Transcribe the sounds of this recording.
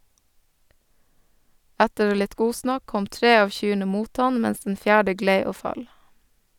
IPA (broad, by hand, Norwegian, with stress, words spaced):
ˈætəɾ ˈlɪt ˈɡuːsnɑk ˈkɔm ˈtɾeː ˈɑːʋ ˈçyːɳə ˈmuːt ˈɑn ˈmɛns dn̩ ˈfjæːɖə ˈɡleɪ ˈoː ˈfɑl